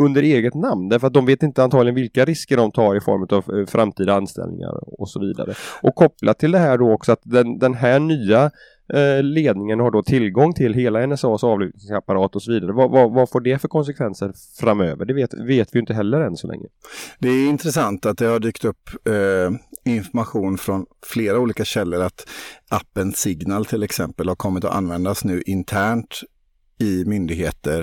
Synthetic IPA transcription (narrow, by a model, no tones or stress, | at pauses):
ɵnd̪əɾeːɡət̪namnd̪æɾfœɾat̪̚d̪ɔmveːt̪ɪnt̪əant̪ʰɑːɡlɪɡənvɪlkaɾɪskəɖɔmt̪ʰɑːɾɪfɔ̰ɾmʉ̟t̪avfɾʔamt̪ʰiːd̪aanst̪ɛ̰lnɪ̰ŋa̰ɾɔ̰sɔvḭːd̪a̰ɾəʔɔkkʰːɔpːlʔatt̪ʰːɪld̪ɛɦæːɖɔɔksɔat̪̚d̪ɛnd̪ɛnɦæɳyːa | leːd̪nɪŋənhaɖɔt̪ʰɪlɡɔŋːt̪ʰɪlɦeːlaɛnɛsɑːsɑːvlʏːt̪̚nɪŋsapaɾɑːt̪ɔsɔviːd̪aɾəvavavafoːɖɛfœɾkʰɔns̬ɛkʰvɛnsəɾ | fɾamø̰ːvəɖɛveːt̪veːt̪vɪjʏɪnt̪əɦɛlːəɾɛnsɔlɛ̰ŋːə̰d̪ɛæɾɪnt̪ɾɛsant̪at̪̚d̪ɛhaɖyːkt̪ɵpː | ɪnfɔɾmaɧuːnfɾɔnfleːɾauːliːkaɕɛlːəɾat̪ʔapːənsɪɡnalt̪ʰɪlɛksɛmpəlhaɾkʰɔmːɪt̪ɔ̰ʔa̰nvɛnd̪asnʉ̟ːʔɪnt̪ʰæːɳʈ | ɪmʏnd̪ɪɡɦeːt̪əɾ